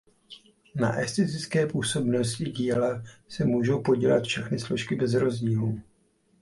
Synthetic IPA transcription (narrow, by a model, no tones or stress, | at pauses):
na̰ʔɛst̪ɛt̪ɪt͡skɛːpuːso̞bno̞scɪɟiːlasɛmuːʒo̞wpo̞ɟilat̪fʃɛxnɪslo̞ʃkɪbɛzɾo̞zɟiːlu